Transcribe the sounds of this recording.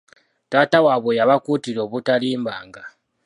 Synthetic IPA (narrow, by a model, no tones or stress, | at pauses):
taːtawaβojaβakutiɾoβutaliːmbaːŋɡa